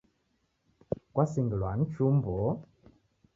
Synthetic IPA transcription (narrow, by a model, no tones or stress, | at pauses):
kwasiŋɡilwan̩t͡ʃumbɔ